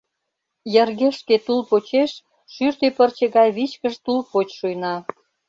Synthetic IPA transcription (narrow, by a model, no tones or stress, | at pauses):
jərɣeʃket̪ulpot͡ɕeʃ | ʃyrt̪epərt͡ɕeɣɑjβit͡ɕkəʃt̪ulpot͡ɕʃujnɑ